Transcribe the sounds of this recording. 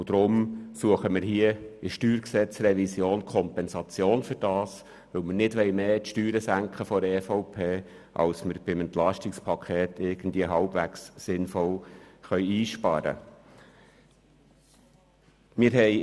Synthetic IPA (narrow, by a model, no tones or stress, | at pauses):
ʊd̥ɾʊmsuəχəmɪɾɦiəɪʃtyːɾksɛt͡srɛvisjoːnkʰɔmpɛnsɑt͡sjoːnfʏɾd̥ɑːs | ʋɵʊmənɪdʋɛɪmeːtʃtyːɾəsæŋkχəfɔɾɛːfɔʊpʰeː | ʔɑ̰lsməɾb̥ɪmɛnt̪lɑʃtɪkspʰɑkʰχeːtʰɪɾɡ̥ən̩d̪viəɦɑlb̥væksːɪnfɔlχœʏiːʃpɑɾə̰ | mɪɾɦɛɪ